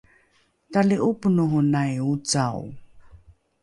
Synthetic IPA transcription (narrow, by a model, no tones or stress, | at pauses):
taliʔupunuɦunajut͡saw